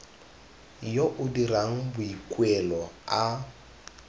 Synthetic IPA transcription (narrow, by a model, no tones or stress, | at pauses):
joʔʊdiraŋ̩bʊikʼwɛlɔa